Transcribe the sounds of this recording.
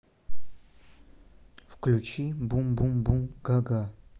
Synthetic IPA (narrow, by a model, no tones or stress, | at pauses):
fklʲut͡ʃʰibumbumbumɡ̥aɡa